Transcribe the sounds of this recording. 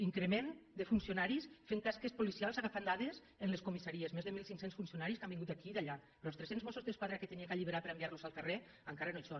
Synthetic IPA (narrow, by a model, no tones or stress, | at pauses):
iŋkɾemend̪efunsionaɾisfeŋkaskespolisialˠzaɣafand̪aðez | enleskumisaɾiezmezðemilˠsiŋksensfunsionaɾiskambiŋɡut̪akid̪aʎapɾɔlst̪ɾesenzmɔsuzðeskwaðɾaket̪eniekaʎiβeɾapeɾambiaɾluzalˠkare | aŋkaɾanoso